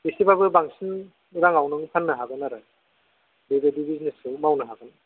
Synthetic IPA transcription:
isibabɯbaŋsin | ɾaŋawnɯŋpʰanːɯɦaɡɯnaɾɯ | bebedibiznesɯmawnɯɦaɡɯn

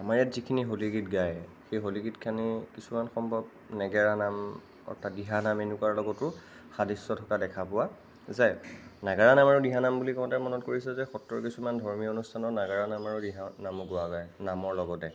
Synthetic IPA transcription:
amaɹɛtzikʰiniɦoliɡitɡaj | xejɦoliɡitkʰanikisumanxɔmbʱɔb̚ | nɛɡɛɹanam | ɔ̰tʰadiɦanamenukwaɹlɔɡɔtʊ | xadisɔtʰɔkadɛkʰapʊwa | zajnaɡaɹanamaɹudiɦanambulikɔɔtɛmɔnɔtkoɹisɛzɛxɔtɹɔɹkisumandʱɔɹmionustʰanɔnaɡaɹanamaɹudiɦanamɔɡʊaɡɔjnamɔɹlɔɡɔtɛ

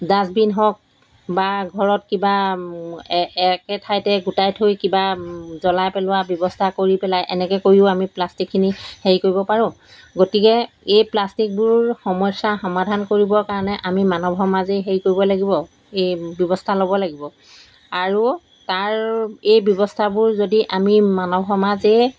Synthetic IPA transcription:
dasbinɦɔk̚ | baɡʱɔɹɔt̚kiba | ɛkɛtʰajtɛɡutajtʰojkibazɔlajpɛlʊwabjɔbɔstʰakoɹipɛlajʔɛnɛkɛkoɹiʊamiplastikʰːiniheɹikoɹibɔpaɹʊ̃ | ɡotikɛ | ejplastik̚bʊɹxɔmɔjsaxɔmadʱankoɹibɔkaɹɔnɛʔamimanɔbʱɔmazeɦeɹikoɹibɔlaɡibɔ | ejbjɔbɔstʰalobɔlaɡibɔ | aɹu | taɹejbjɔbɔstʰabʊɹzodiʔamimanɔbʱɔmaze

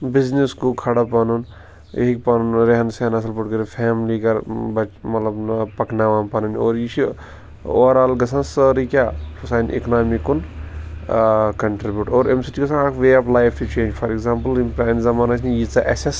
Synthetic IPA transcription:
bizniskukʰɐɽapɐnun | ḛɦik̚ʲpɐnunɾeɦɐnsaːnɐs̬ɐlpuʈɡɐɾifʰeːmliɡɐɾbɐt͡ʃmɐt̪lɐbnpɐknaʋaːnpɐnɐno̰ːɾjit͡ʃʰi | o̰ːɾaːlɡɐs̬ʰɐnsɐɾikʲaːpusaːnḛknaːmikun | kɐɳʈɾibʲjuːʈoːɾemsiʈiɡɐsʰãnaːkʋeːɐpʰlaːjfʰʈut͡ʃẽːnd͡ʒfʰɐɾekɡzaːmpəlimpɾaːnizɐmaːnɐt͡ʃʰnijit͡sɐʔɐ̰ses

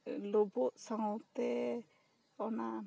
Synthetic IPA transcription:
lɔbɔʔsaŋɔt̪ɛ | ɔna

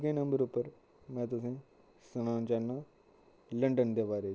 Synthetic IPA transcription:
kẽnə̃mbəɾupəɾ | mɛ̃ːt̪ʊs̬ẽ | sɐɽ̃ãːnt͡ɕanːa | lə̃ɳɖənd̪eʋaːɾe

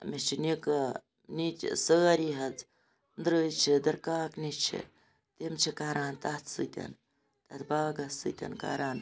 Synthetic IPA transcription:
met͡ʃʰinik | nit͡ʃsəːɐɾiɦɐd͡z | nd̪ɾəːjt͡ʃʰid̪ɐɾkaːknit͡ʃʰḛ | t̪emt͡ʃʰikaːɾaːnt̪at̪ʰsɨt̪ʲɐ̰n | t̪ɐt̪ʰbaːɡɐsɨ̰t̪ʲɐ̰nka̰ːɾaːn

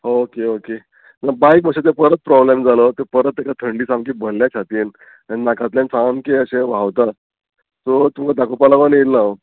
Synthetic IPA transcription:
ɦookeoke | nəbajkʋəɕat̪̬epəɾət̪̚pɾɔblemd͡zalət̪epəɾət̪ekat̪ʰəɳɖiːsãmkiːbʱəlːjat͡ɕʰat̪iːn | aninakãt̪ljãnsamkeəɕẽʋ̤aʋt̪a | t̪ot̪umkad̪akʰupalaʋənelːao

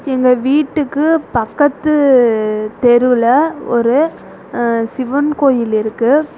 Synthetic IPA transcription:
ɛŋɡɐʋiːʈːɯkːɯpɐkːɐt̪ːɯ | t̪ɛɾɯlɐɔɾɯ | sɪʋɐnkoːjɪlɪɾɯkːɯ

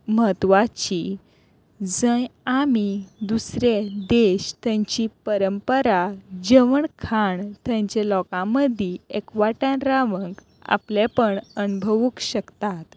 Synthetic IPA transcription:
məɦət̪ʋat͡ɕi | d͡zə̃jamid̪usɾed̪eɕt̪jãɲt͡ɕipəɾəmpəɾad͡ʑəʋəɳkʰaɳt̪jãɲt͡ɕelɔkãməd̪ʱiekʋaʈãnɾaʋəŋɡ | a̰pljepəɳənubʱəʋukɕəkt̪at̪

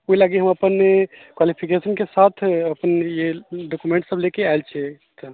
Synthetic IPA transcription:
oilaɡiɦəməpənekwalipʰikesənkesat̪ʰəpənjeɖokumẽɳʈsəblekeaelt͡ʃʰɛ | t̪ə

